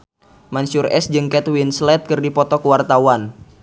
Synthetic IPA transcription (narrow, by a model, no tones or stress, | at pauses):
mansʊrɛ̰sd͡ʒɨŋkɛt̪winslɛt̪̚kɨrdipɔt̪ɔkəwart̪awan